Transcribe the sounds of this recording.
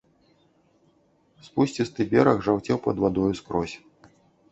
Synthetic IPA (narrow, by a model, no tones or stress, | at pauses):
spusʲt͡sʲist̪ɨbʲɛɾɐɣʐawt͡sʲɛwpɐd̪vad̪ɔjuskɾɔsʲ